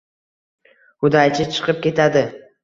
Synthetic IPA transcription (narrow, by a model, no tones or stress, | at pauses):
hʊd̪ajt͡ʃʰɪt͡ʃʰɨ̥qʰɨp̚kʲe̞t̪ʰad̪ɪ